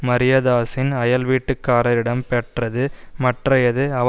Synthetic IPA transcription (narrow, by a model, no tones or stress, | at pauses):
mɐɾɪjɐðaːsɪnɐjɐlʋiːʈːɯkːaːɾɐɾɪɽɐmpɛʈrɐðɯmɐʈrɐjɐðɯɐ